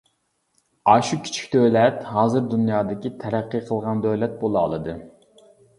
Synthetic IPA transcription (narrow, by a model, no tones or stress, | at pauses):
ɑʃukʲʰi̥t͡ʃʰi̥kʲd̪ølɛt̪hɑːzɨɾd̪unjɑːd̪ɪkʲit̪ʰɛɾæqːɨqʰəlˠʁɑnd̪øwlɛt̪̚bolˠɑ̰ːlˠɨd̪ɨ